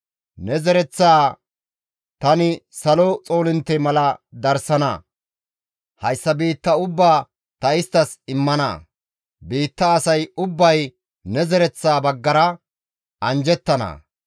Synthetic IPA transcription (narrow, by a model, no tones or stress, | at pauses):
nɛzɛɾɛt͡sːaː | t̪ɐnɪsɐlɔt͡sʼo̞ːlɪnt̪ːɛmɐlɐd̪ɐɾsɐnɐ̰ | hɐjsːɐbiːt̪ːɐʊbːaː | t̪ɐɪst̪ːɐsɪmːɐnɐ̰ | biːt̪ːɐːsɐjʊbːɐj | nɛzɛɾɛt͡sːaːbɐɡːɐɾɐ | ʔɐnd͡ʒɛt̪ːɐnɐ̰